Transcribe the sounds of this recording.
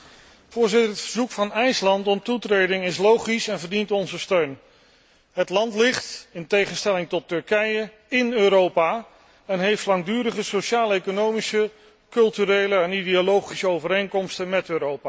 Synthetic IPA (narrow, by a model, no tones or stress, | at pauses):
fʊːɹzɪtəɹətfəɹzukfɑnɛjslɑntɔntutrejdɪŋɪslowχisɛnvəɹdintɔnzəstøɥn | ɦətlɑntlɪχtɪntejχənstɛlɪŋtɔtːɵɹkɛjə | ɪnøːɾowpaː | ɛnɦejftlɑŋdyːɾəχəsoʃaːləejkonowmisə | kɵlˠtyɾejləɛnidiolowχisəowvəɾejŋkɔmstənmɛtøːɾowpaː